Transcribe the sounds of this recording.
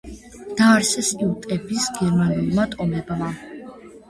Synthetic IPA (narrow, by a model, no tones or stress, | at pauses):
d̪̥aːɾsɛsʼilt̪ʼɛbisɡɛɾmanulˠmat̪ʼɔmɛbma